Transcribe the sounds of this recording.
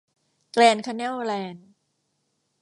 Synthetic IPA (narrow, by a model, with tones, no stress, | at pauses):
klɛː˧nkʰa˧nɛː˥˩wlɛː˧n